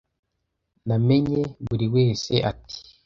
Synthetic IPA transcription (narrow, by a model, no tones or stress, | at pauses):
nameɲeβuɾiwe̞ːseʔatʰi̥